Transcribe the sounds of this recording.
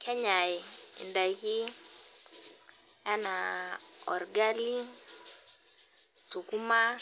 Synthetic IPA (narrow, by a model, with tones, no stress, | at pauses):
kʰɛ˦ɲa˨i˨ḭ˨nda˨˦ki˦ | ja˦na˨ɔ̰˨ɾɡa˦li˦ | su˨ku˦ma˦